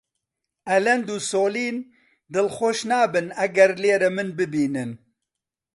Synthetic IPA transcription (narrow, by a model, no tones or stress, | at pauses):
ɛlɛnd̪uːsoːliːn | d̪ɨlxoːʃnaːbɨnɛɡɛɾleːɾɛmɨnbɨbiːnɨn